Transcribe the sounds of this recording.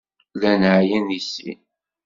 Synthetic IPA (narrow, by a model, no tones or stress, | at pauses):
lænʕjænisḭn